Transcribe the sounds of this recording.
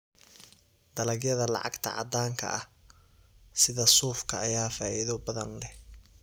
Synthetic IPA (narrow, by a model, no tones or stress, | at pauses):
d̪̥ɐlɐɡjɐðɐlɑ̰ʕɑ̰ɡt̪ʰɐ̰ʕɑ̰d̪aːŋkʰɐ̰ʔɐh | sɪðɐsuːfkʰɐːjaːfaːʔɪðɔbɐðɐnlɛh